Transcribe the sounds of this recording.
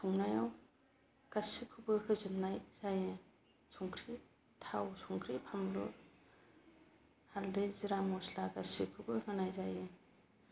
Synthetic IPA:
sʰɔŋnajaw | kasikʰubɯhɯzɯnnːajz̥aje | sʰɔŋkʰɾi | tʰawsɔŋkʰɾipʰamɾu | haldɯziɾamɔslakasikʰubɯhɯnajzajɯ

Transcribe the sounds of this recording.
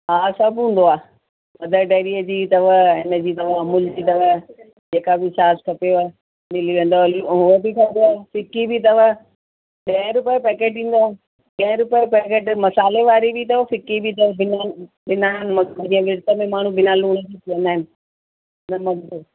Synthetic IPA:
ɦaːsɐbʱũːn̆d̪oaː | mɐd̪ʱəɖeːɾiːəd͡ʑiːt̪ɐʋəɦɪnəd͡ʑiːt̪̬ɐʋ̤amʊld͡ʑiːt̪ɐʋ̤ə | d͡ʑeːkabɪsaːskʰɐpeʋɐ | nɪliʋẽːnd̪oluɦʊəbikʰɐbeaːfɪkibʱɪt̪̬ɐʋə | ɗeːɾʊpəjpɛːkeːʈĩːn̆d̪oaː | ɡɐɦɾʊpəjpɛːkeːʈmɐsaːleʋaːɾibɪt̪ɐʋɐfɪkibʱit̪ɐbɪna | bɪnanmɐd͡ʑĩːə̃ʋɪɽt̪əmẽmaːɳ̤ũbɪnaluːɽ̃d͡ʑit̪ʰiʋɐ̃nd̪aːɦɪnɪ̆ | nɐmɐd̪ʱt̪ː

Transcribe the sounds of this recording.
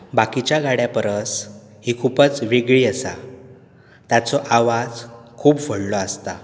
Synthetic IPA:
bakit͡ɕjaɡaɽjapəɾəs | hiːkʰupət͡sʋeɡɭiːəsa̰ | t̪jat͡sɔʔaʋad͡zkʰuːpfəɽlɔast̪a

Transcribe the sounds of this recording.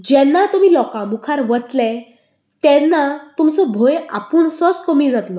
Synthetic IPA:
d͡ʑɛnːat̪um̤iːlɔkãmukʰaɾʋət̪lɛ | t̪ɛnːat̪umt͡sɔbʱoja̰puːɳsɔt͡skəmid͡zat̪lɔ

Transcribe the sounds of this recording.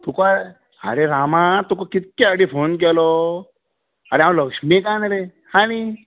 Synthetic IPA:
t̪ukoae | a̰ɾeɾamãt̪ukokit̪̚keaɽipʰoːnk̬elo | aɾeãləkʂmikãnɾe | hãni

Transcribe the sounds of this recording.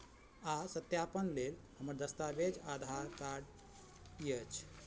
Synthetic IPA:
asət̪japənlel | həməɾd̪əst̪abed͡ʒad̪ʱaɾkaɾɖ | jət͡ʃʰ

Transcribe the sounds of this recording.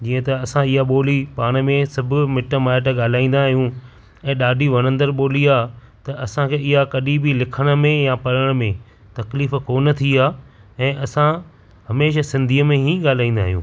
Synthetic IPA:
d͡ʑiːə̃t̪ɐɐsãɪɦaɓoːlipaːɽ̃ə̆mẽsɐbʱʊmɪʈəmaːɪʈ̬əɠaːl̤aːĩːn̆d̪aɦijũ | ɛ̃ːɗaːɖʱiʋɐñə̃nd̪əɾɓoːliaː | t̪ɐʔɐsãkʰeːɪɦakɐɗibilɪkʰəɽ̃ə̆mẽjãpɐɾəɽ̃ə̆mẽ | t̪ɐkliːfkoːnə̆t̪ʰiaːɛ̃ːʔɐsã | ɦɐmeːʃ̬asɪ̃nd̪ʱiːəmẽɦĩːɠaːl̤aːĩːnd̪a̰ːɦijṵ̃ː

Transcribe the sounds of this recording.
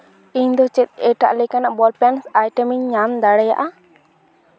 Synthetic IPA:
iɲd̪ɔt͡ʃɛt̪̚ɛʈa̰ʔlɛkanaʔbɔlpɛnsajʈɛmiɲːamd̪aɽɛja̰ʔa

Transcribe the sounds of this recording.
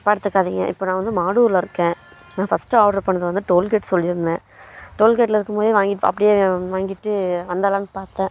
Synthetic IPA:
paːɽɯt̪ːɯkːaːðiːŋɡɐ̰ʔɪ̰pːoːnãːʋɐnd̪ɯmaːɽuːɾlɐɪɾɯkːẽː | naːfɐsʈɯaːʈɐɾpɐɳːɐðɯʋɐnd̪ɯʈoːlkeːʈsɔlːɪɾɯnd̪ẽː | ʈoːlkeːʈːlɐɪɾɯkːɯmpoːðiʋaːŋɡɪʈːɐ̰pːɐɽɪjeːʋaːŋɡɪʈːɯʋɐnd̪aːlãːnɯpaːɾt̪ẽː

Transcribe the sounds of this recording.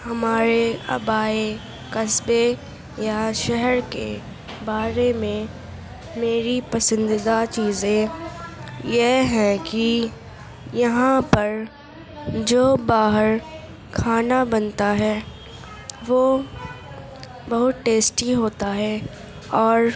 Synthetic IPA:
hɐmaːɾeɐ̰baːe | kɐsbe | jaʃɛɦɛɾkḛ | baːɾemẽ | meːɾipɐsɪ̃nd̪ɪd̪at͡ʃiːzẽ | jeɦɛ̃ki | jɐɦãpɐɾ | d͡ʒoːbaːɦəɾ | kʰaːnabɐnt̪aɦɛː | ʋoː | bɐɦʊt̪ʈeːsʈiɦoːt̪aɦɛː | ɔːɾ

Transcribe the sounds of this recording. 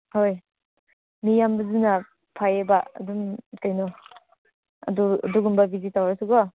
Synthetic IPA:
hoj | mijambɐzuna | pʰajebaɐ̰duŋtajnɔ | ɐ̰dua̰duɡumbabizitawɾasuɡɔ

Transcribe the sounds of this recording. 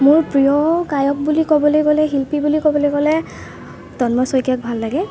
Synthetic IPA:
mʊɹpɹijɔkajɔk̚bulikɔbɔlojkɔlɛɦilpibulikɔbɔlojɡɔlɛ | tɔnmɔsɔjkjak̚bʱalːaɡɛ

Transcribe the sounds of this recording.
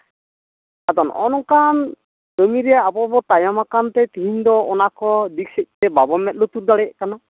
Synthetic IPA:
ad̪ɔnʔɔ̰nɔkan | dəmiɾɛjaapɔbɔt̪ajamakant̪ɛt̪iɦind̪ɔɔnakɔd̪ik̚sɛc̚ˀt̪ɛbabɔmɛt̪̚lut̪uɾd̪aɽɛʔ̚kana

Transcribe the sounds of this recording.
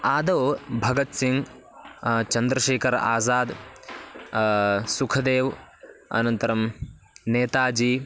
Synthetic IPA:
aːd̪ɐːbʱɐɡɐt̪siŋɡ | t͡ʃɐnd̪ɾɐʃeːkʰɐɾa̰ːzaːd̪ | sukʰɐd̪eːʋɐ̰nɐnt̪ɐɾɐm | neːt̪aːd͡ʒiː

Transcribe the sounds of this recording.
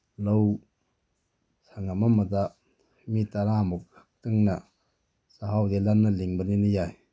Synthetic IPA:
low | saŋamamada | mitaɾamɔk̚ak̚tɯŋna | saɦawdelanːɐliŋbɐninijaj

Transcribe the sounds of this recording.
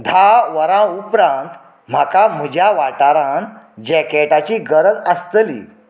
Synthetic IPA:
d̪ʱaʋəɾãupɾãnt̪ | m̤akam̤əd͡ʑʱjaʋaʈaɾãn | d͡ʑɛkeʈat͡ɕiɡəɾəd͡zəst̪əlḭː

